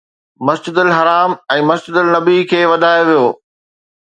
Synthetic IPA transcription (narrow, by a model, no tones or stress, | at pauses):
mɐsd͡ʑɪd̪əlɦɐɾaːmɛ̃ːmɐsd͡ʑɪd̪əlnɐbikʰeːʋɐd̪ʱaːjoʋijoː